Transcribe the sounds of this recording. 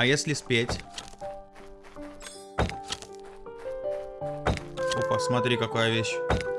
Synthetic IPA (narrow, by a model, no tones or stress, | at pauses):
ɐjesʲlʲɪspʲetʲ | opasmɐt̪ʲɾʲikɐkajəvʲeɕ